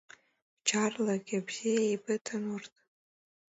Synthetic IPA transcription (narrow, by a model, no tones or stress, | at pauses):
t͡ʃʰarlaɡʲabz̥ijaijbɨtʰanʊrtʼ